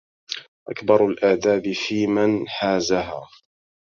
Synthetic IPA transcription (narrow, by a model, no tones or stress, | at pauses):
ʔakbɑɾˤalʔaːd̪aːbɪfiːmanħaːzaɦaː